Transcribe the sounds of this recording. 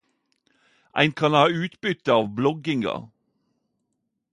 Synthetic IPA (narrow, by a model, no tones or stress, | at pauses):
ʔæ̰ɪnkʰɑnhɑːʉːt̪bʏt̪əɑːʋblɔɡɪŋɑ̰